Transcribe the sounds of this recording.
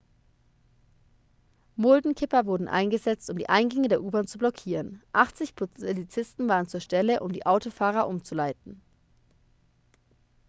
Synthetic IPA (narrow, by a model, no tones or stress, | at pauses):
mʊldn̩kʰɪpɐvʊɐdn̩ʔa̰ɪnɡəzɛt͡stʊmdḭːʔaɪnɡɛŋədeːɐʔuːbɐnt͡sublɔkʰiːʁənʔaχt͡sɪçpʰʊlit͡sɪstn̩vaːʁənt͡suːɐʃtɛləʔʊmdḭːʔaʊtofaːʁ̞ɐʔʊmt͡sulaɪtn̩